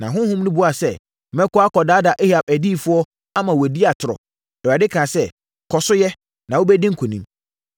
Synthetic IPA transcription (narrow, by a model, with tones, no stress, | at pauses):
nã˨ɦʊ̃˦hʊ̃˦mnʊ̃˦bʊ˦a˨sɛ˦ | mɛ̃˦kʊ˦a˦kɔ˨daː˦da˨ʔe˦ha˨p̚æ˨di˦˨fʊ˦ɔ˦ | a˦mã˨wdi˦a˨tʰʊ˨ɾɔ̰˨ | ɛ˨wa˨dɪ˦kʰãː˨sɛ˦˨ | kʰɔ˨sʊ˦jɛ˦ | nã˨wo˦bɛ˦dĩ˦ŋ̩˦kʰʊ˨nĩ˦m